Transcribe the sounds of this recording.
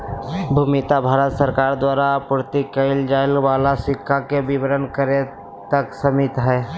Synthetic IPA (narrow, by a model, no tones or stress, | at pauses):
bʱumɪt̪abʱaːɾət̪səɾkaːɾd̪waːɾapʊɾt̪ikəɪld͡ʒaːɪlʋaːlasɪkʰːakebɪbəɾənkəɾe | t̪əksəmɪt̪ɦɛː